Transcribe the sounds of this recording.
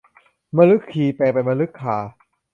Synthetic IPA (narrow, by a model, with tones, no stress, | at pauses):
ma˧lɯ˦˥kʰːiː˨˩pɛː˨˩pa˧jma˧lɯ˦˥kʰːaː˨˩˦